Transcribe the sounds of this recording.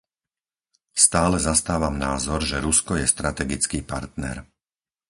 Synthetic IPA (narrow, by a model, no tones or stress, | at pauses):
st̪aːlɛzast̪aːʋamnaːzɔɾʒɛɾuskɔjɛst̪ɾat̪ɛɡit͡skiːpaɾt̪nɛ̰ɾ